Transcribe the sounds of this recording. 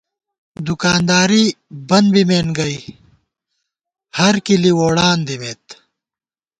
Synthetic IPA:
d̪ukaːnd̪aːɾibɐnbimeːnɡɐi | hɐɾkiliwoːɽaːnd̪imeːt̪

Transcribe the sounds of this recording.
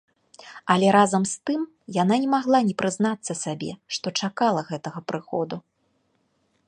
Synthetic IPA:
ɐlʲɛɾazɐmst̪ɨm | jananʲɛmaɣlˠanʲɛpɾɨznat̪sːɐsʲabʲɛ̰ʂt̪ɔt͡ʂakalˠɐɣɛt̪ɐɣɐpɾɨxɔd̪u

